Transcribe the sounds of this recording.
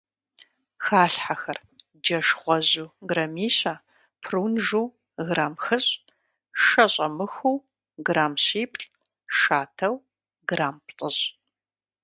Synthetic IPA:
xaːɬħaxɐr | d͡ʒɐʂʁʷɔʑuːɡrɐmiːɕaː | pʰruːnʒuː | ɣraːmxɨɕʼ | ʃɐɕʼɐmɨxuː | ɡraːmɕiːpʰʼɬʼ | ʂaːtʰɐw | ɡraːmptʼəɕ

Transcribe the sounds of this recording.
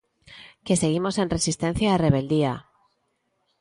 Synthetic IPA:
ke̞se̞ɣ̞imo̞se̞nre̞sist̪e̞n̟θjaːre̞β̞e̞ld̪ia

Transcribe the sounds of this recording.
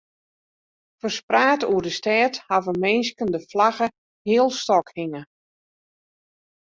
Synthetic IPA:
fərspraːtuərdəstɛːthavəmɪnskəndəflaɣə | hɪəlˠstɔkhiŋə

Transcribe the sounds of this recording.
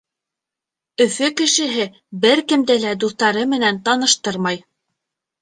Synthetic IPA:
ɵ̆fɵkɘ̆ʃɘ̆ɦɘ | bɘɾkɘ̆md̪ælæd̪uθt̪ɑɾɤmɘ̆nænt̪ɑnɤ̆ʃt̪ɤɾmɑj

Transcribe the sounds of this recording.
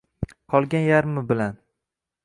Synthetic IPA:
qʰɒlˠɡʲanjaɾmɪbɪlan

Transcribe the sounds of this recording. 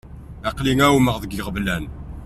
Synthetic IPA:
æqliŋæwməʁðəɡiʁvlæn

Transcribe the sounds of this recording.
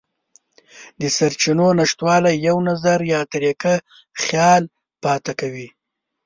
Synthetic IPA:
d̪əsaɾt͡ʃinonaʂt̪wɑlajawnazaɾjɑt̪aɾeka | xjɑl | pɑt̪akawi

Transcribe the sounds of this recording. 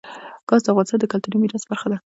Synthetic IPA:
ɡ̥ɑzd̪əafɣɑnɪ̥st̪ɑnd̪əkalt̪uɾimiɾɑsbaɾxad̪a

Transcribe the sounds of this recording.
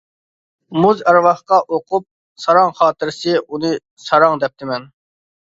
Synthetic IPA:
muzæɾwɑχqɑʔoqʰup̚ | sɑɾɑŋχɑːt̪ɨɾsɨʔunɨ | sɑɾɑŋd̪ɛp̚t̪ʰɪmɛn

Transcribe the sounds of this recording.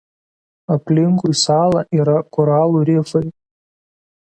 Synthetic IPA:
ɐpʲlʲɪŋkujsɑːlˠɑʔiːɾɐkɔɾɑːlˠuːɾʲɪfɐɪ

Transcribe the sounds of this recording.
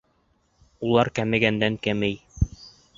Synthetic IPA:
ulˠɑɾkæmɘ̆ɡænd̪æŋkæmɘj

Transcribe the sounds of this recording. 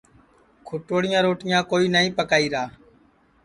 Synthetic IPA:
kʰʊʈoːɽɪjãːɾoːʈɪjãːkoːiːnəĩːpəkaːiːɾaː

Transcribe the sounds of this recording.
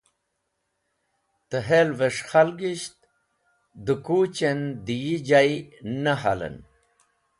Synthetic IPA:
t̪əɦelveʂxalɡiɕt̪̚ | d̪əkuːt͡ɕend̪ijid͡ʑajnəɦa̰lə̰n

